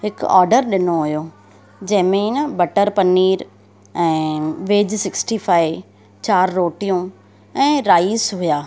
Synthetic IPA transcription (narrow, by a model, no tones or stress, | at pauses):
ɦɪkɔ̰ːɾɖəɾɗɪnoɦʊjo | d͡ʑɐ̃ɦɪ̃mẽnəbɐʈəɾpɐniːɾ | ɛ̃ːʋeːd͡ʑsɪksʈiːfaːɪi | t͡ɕaːɾːoːʈijũ | ɛ̃ːɾaːisɦʊjaː